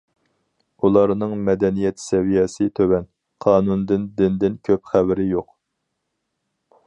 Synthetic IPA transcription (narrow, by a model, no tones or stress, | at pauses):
ulˠɑɾnɨŋmɛd̪ɛnijɛt̪sɛvijɛsɨt̪ʰøwɛn | qʰɑːnund̪ɪnd̪ɪnd̪ɪnkʲʰøpχævɪɾɪjoq